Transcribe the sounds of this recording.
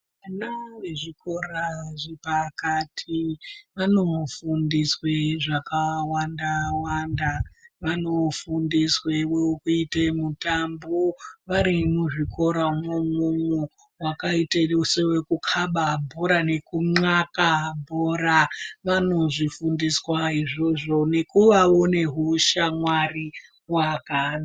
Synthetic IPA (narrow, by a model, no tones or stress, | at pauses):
anaweʐiko̞raʐepakatʰiʋano̞fundisweʐakawandawandaʋano̞fundisweweukuitemutamboʋaɾimuʐiko̞ɾamemumu | wakaiteusewekukʰaɓabʱoɾane̞kuŋ͡ǀakabʱoɾaʋano̞ʐifundiswaiʐo̞ʐo̞ne̞kuʋao̞ne̞ɦuʃamwari | wakana